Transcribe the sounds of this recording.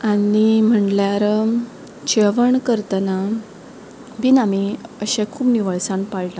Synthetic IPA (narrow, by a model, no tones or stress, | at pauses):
anim̤əɳljaɾə | t͡ɕeʋəɳkəɾt̪əna | binamiəɕẽkʰuːbniʋəɭsãnpaɭla